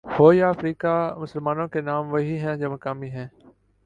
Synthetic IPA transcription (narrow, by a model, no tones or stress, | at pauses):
hoːjaɐfɾiːkamʊsəlmaːnõkenaːmʋɐɦiɦɛ̃d͡ʒɐməkaːmiɦɛ̃ː